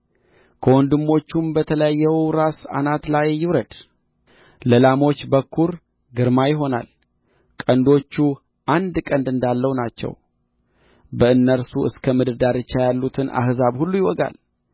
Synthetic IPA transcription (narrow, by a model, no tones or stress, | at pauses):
kʰəwɔnd̪ɨmːo̞t͡ʃːumbət̪ʰələjajːɛwɾasa̰nat̪lajːɪwɾəd̪̥ | ləlamo̞t͡ʃːbəkʰːuɾ | ɡɨɾmajɪɦo̞na̰l | kʼənd̪o̞t͡ʃːu | ʔand̪kʼənd̪ɨnd̪alːəhwnat͡ʃːɛ̰w | bəɨnːəɾsuɨskʰəmɨd̪əd̪aɾɨt͡ʃːajalːut̪ʰɨnʔa̰hzaβhulːujɪwɔɡa̰l